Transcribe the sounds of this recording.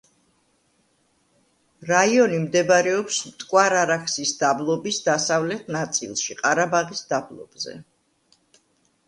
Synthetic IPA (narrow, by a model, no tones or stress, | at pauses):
ɾaiɔnimd̪ɛbɾɛɔpsmt̪ʼkʼwaɾaɾakʰsisd̪ablˠɔbisd̪asavlɛt̪ʰnat̪sʼḭlˠʃiqʼaɾabaʁisd̪ablˠɔ̰b̥zɛ̰